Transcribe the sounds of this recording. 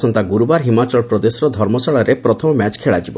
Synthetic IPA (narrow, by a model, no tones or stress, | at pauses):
sɔnt̪aɡuɾubaɾɦimat͡ʃɔɭpɾɔd̪esɾɔd̪ʱɔɾmɔsɔɭɔɾepɾɔt̪ʰɔmɔmat͡ʃkʰeɭad͡ʒibɔ